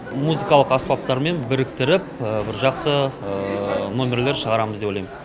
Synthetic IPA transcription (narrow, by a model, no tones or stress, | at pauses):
muzɨkɑlˠəqɑspɑp̚t̪ɑɾme̞nbɪɾɪkt̪ɪɾɪp̚əbɪɾʒɑqsə | nomʲe̞ɾle̞ɾʃəʁɑɾɑməzd̪eojlɑjmə